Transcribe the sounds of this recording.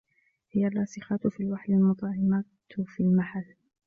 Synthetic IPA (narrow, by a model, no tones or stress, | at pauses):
hɪjarːɑːsɪxɑt̪fiːlwaħlalmʊt̪ˤʕɪmat̪filmaħalː